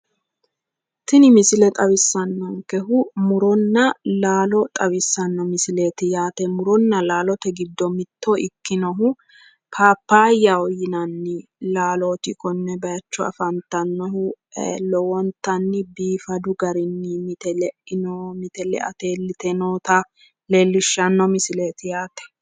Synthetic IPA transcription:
t̪ɪnɪmɪsɪlɛt̪ʼɐβɪsːɐnːɔŋkɛɦʊmʊɾɔnːɐlaːlɔt̪ʼɐβɪsːɐnːɔmɪsɪle̞ːt̪ɪjaːt̪ɛmʊɾɔnːɐlaːlɔt̪ɛɡɪd̪ːɔmɪt̪ːoɪkːɪnɔɦʊ | pʰaːpːaːjːaɔjɪnɐnːɪlaːloːt̪ɪkɔnːɛbɐjɐt͡ʃːɔɐ̰fɐnt̪ːɐnːɔhʊlɔwɔnt̪ɐnːɪbiːfɐd̪ʊɡɐɾɪnːɪmɪt̪ɛlɛʔɪnɔmɪt̪ɛlɛ̰ʔɐ̰t̪e̞ːlːɪt̪ɛnoːt̪ɐ | lelːɪʃːɐnːɔmɪsɪle̞ːt̪ɪjaːt̪ɛ̥

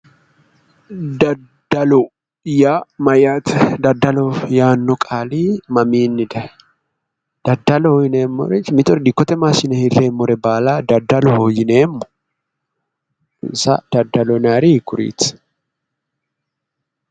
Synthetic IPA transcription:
d̪ɐ | d̪ɐlɔ | jamɐjat̪d̪ɐd̪ːɐlɔjaːnːɔkʼaːliːmɐmiːnːɪd̪ɐ | d̪̥ɐd̪ːɐlɔhɔjɪneːmːɔ̰ɾɛtmɪt̪ʼɔɾd̪ɪkːɔt̪ɛmaːsɪnɛhɪrːeːmːɔɾɛbaːlad̪ɐd̪ːɐlɔhojɪneːmːɔ̥ | ɪsɐ̰d̪̥ɐd̪ːɐlɔnaːɾikːʊɾḭːt̪

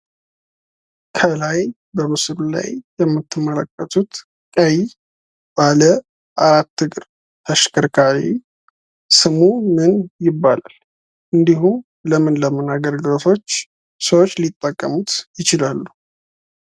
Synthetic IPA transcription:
kʰəlaj | bəmɨsɾula̰jːɛmːɨt̪ʰːɨmːələkʼːət̪ʰut̪ | kʼəj | b̥alə | ʔaɾat̪ːɨkʼɨɾ | t̪ʰəʃkʰəɾkʰaɾi | sɨmumɨnjɪbːala̰l | ʔɨnd̪ihum | ləmɨnləmənaɡəɾɡət̪ʰo̞t͡ʃː | səwot͡ʃːlit̪ʼːəkʼːəmut̪jɪt͡ʃɪlalːu

